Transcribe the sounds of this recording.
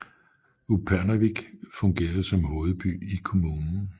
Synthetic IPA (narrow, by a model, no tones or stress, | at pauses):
upʰæɐnæʋiɡ̥fɔ̽ŋɡ̥e̝̰ːɐð̞̩ˠsɒ̽mho̝ːð̞̩ˠb̥y̰ːikʰo̝muːnn̩